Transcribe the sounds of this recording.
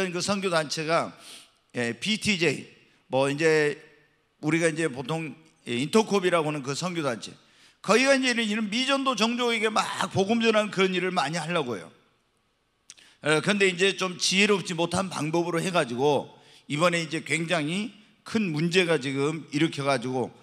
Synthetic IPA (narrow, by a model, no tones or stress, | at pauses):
ʌnkɯsʰʌŋɡjodant͡ɕʰe̞ɡa | je̞pʰitʰid͡ʑeḭ | mʌind͡ʑe̞ | uɾiɡaind͡ʑe̞potʰoŋ | eintʰʌkʰobiɾaɡoɦanɯnkɯsʰʌŋɡjodant͡ɕʰe̞ | kʌiɡaind͡ʑe̞ɾɯiɾɯnmid͡ʑʌndot͡ɕʌŋd͡ʑoeɡe̞ma̰k̚poɡɯmd͡ʑʌnannkɯɾʌniɾɯɭmaɲiɦaɭːaɡojo̰ | ʌkɯɾʌnde̞ind͡ʑe̞t͡ɕomt͡ɕiɦe̞ɾɯʌp̚t͡ɕ͈imotʰanpa̰ŋbʌbɯɾohe̞ɡad͡ʑiɡo | ibʌne̞ind͡ʑe̞kwe̞ŋd͡ʑaŋi | kʰɯnmund͡ʑe̞ɡat͡ɕiɡɯmiɾɯkʰjʌɣad͡ʑiɡo